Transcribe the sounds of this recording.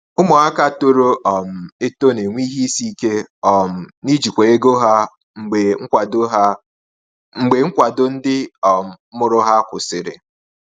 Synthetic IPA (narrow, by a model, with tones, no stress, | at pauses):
ʊ˦mɔ˨a˦ka˦to˦ɾo˦ʔɔ˨m̩˨e˦to˦ne˨ŋʷi˦ɦi˦si˦ke˦ɔ˨m̩˨ni˦d͡ʒi˨kʷe˨e˦ɡo˦ɦa˦ | ŋ͡m̩˨ɡ͡be˨ŋ̩˦kʷa˨do˦ɦa˦ | ŋ͡m̩˨ɡ͡be˨ŋ̩˦kʷa˨dʊ˨n̩˦dɪ˦ɔ˨m̩˨˦mʊ˨ɾʊ˦ɦa˦kʷʊ˨sɪ˨ɾɪ̰˨